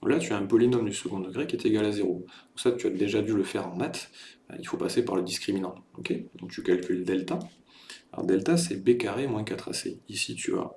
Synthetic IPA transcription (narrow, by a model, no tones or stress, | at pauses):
ɔ̃lat̪yaɛ̃pɔlinɔmd̪ysəɡɔ̃d̪əɡʁekʲiɛt̪eɡalazeʁo̥ɔ̃ksat̪yad̪eʒad̪yləfɛʁɑ̃d̪at̪a̰ilfopasepaʁləd̪iskχiminɑ̃ɔkʲʰed̪ɔ̃k̚t̪ykalkʲyld̪ɛlt̪a | lɔ̰ʁd̪ɛlt̪asɛbekaʁemwɛ̃kat̪χa̰sḛisit̪ʰy̰a̰